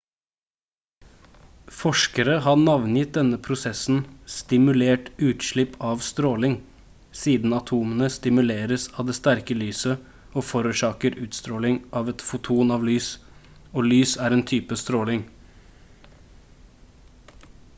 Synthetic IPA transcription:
fɔʃkəɾəɦɑnɑʋnjɪt̪̚d̪ɛnəpʰɾʊsɛsn̩st̪ɪmʉleːʈʉːt̪ʃɭɪpʰɑːʋst̪ɾoːlɪŋ | siːd̪n̩ɑt̪ʰuːmənəst̪ɪmʉleːɾəsɑːʋd̪eːst̪æɾkəlyːsə | oːfɔɾʉːʃɑːkəɾʉːt̪st̪ɾoːlɪŋʔɑːʋɛt̪fʊt̪ʰuːnɑːʋlyːs | oːlyːsæːɾeːnt̪ʰyːpəst̪ɾoːlɪŋ

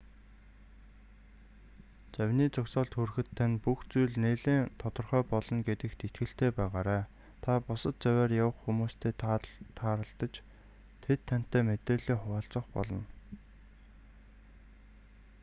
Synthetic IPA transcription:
t͡sæwʲniːt͡sʊksɔːɮt̪xurxɘ̆t̪ʰːanʲpuxt͡sujɮneːɮeːŋt̪ʰɔt̪ɞ̆rχœːpɔɮɞ̆nɡet̪ɘ̆kt̪it̪ɡɘ̆ɬt̪eːpæːʁaːɾaː | t̪ʰapʊsə̆t̪̚t͡sæwʲæːrjawə̆χxumuːst̪ʰeːt̪t̪ʰaːɾə̆ɬt̪ə̆t͡ɕ | t̪ʰet̪ʰːan̥t̪ːæːmet̪eːɮeːχʊwaːɬt͡sə̆χpɔ̰ɮɞ̆n

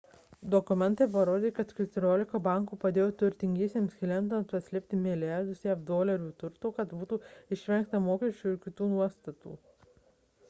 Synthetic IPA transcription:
d̪ɔkʊmʲɛnt̪ɐːp̬ɐɾoːd̪ʲeːkɐt̪kʲɪt̪ʲʊɾʲoːlʲɪkɐbɑˑŋkuːpɐd̪ʲeːjoːt̪ʊɾʲt̪ʲɪŋʲɡʲiɛsʲeːmskʲɪlʲɛnt̪ɐnt̪ɐsʲlʲeɛp̚ʲt̪ʲɪmʲɪlʲɪjɑɾd̪ʊsjɛfd̪oːlʲɐɾʲuːt̪ʊɾt̪oːkɐt̪buːt̪uːɪʃʲʋʲɛŋkt̪ɐmoːkʲɛʃʲt͡ʃʲuːɪɾkʲɪt̪uːnuɔst̪ɐt̪ṵː

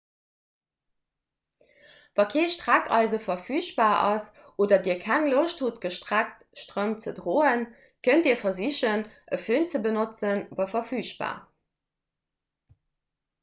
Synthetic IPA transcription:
vɑːkʰeːʃtʁ̥ækɑ̰ɪzəfɐfyːɕb̥aːɑs | ʔoːdɐdiːɐkʰæŋloʃthutɡ̥əʃtʁæk̚t | ʃtʁømt͡sədʁoːən | kʰəntiːɐfɐziɕənʔəføːnt͡səbənot͡sənvɑːfɐfyːɕb̥a̰ː

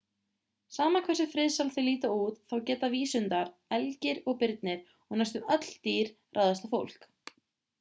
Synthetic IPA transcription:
saːmakʰvɛsɪfɾɪðsalθɪliːt̪auːt̪θawcɛːt̪aviːsʏnt̪aɾɛlcɪɾɔɣpɪɾt̪̚nɪɾ̥ | ɔɣnajst̪ʏmœt̪l̥t̪iːɾ̥ | rʔawðast̪afowl̥k

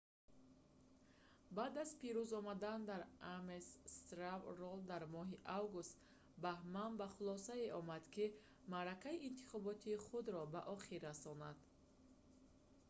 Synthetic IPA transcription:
bad̪azpiɾuzɔmad̪and̪aɾamesst̪ɾavrɔld̪aɾmɔɦiʔavɡust̪ | bahmanbaχulɔsaeʔɔmad̪kʰi | maɾakaiːnt̪ʰi̥χɔbɔt̪ʰiːχud̪ɾɔbaʔɔχiɾːasɔnad̪̥

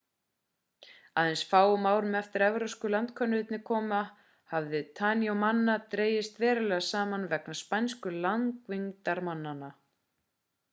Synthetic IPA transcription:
aðɛnsfaːwʏmaːwɾʏmɛft̪ɪɾɛvɾowskʏlant̪kʰœnːʏɪt̪nɪkʰɔːma | havðɪt̪ʰaniowmanːat̪ɾeːjɪst̪vɛːɾʏlɛɣasaːmanvɛknaspajnskʏlaŋkviŋt̪aɾmanːana

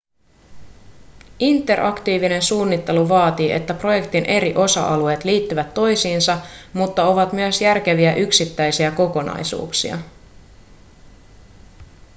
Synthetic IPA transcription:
ʔint̪ːˑe̞rʔɑkt̪iːʋine̞nsuːnːit̪ːe̞luʋɑːt̪iːʔet̪ːæpro̞je̞kt̪inʔe̞ɾiʔo̞sɑ̰ʔɑlue̞ːt̪liːt̪ːyʋæt̪ːo̞jsiːnsɑmut̪ːɑo̞ʋɑt̪myøsjærk̟e̞ʋiæʔyksit̪ːæjsiæko̞ko̞nɑ̰jsṵːksḭɑ̰

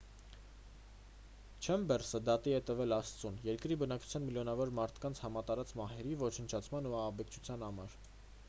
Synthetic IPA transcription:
t͡ʃʰɛmbɛrsəd̪ɑt̪iɛt̪əvɛlɑst͡sunjɛɾkɾibənɑkt͡ʃʰu̥jɑnmiljɔnɑvɔɾmɑɾt̪ʰkɑnt͡sʰhɑmɑt̪ɑɾɑt͡smɑɦɛɾivɔt͡ʃʰənt͡ʃʰɑt͡sʰmɑnuɑhɑbɛkt͡ʃʰu̥t͡sʰjɑnhɑmɑɾ

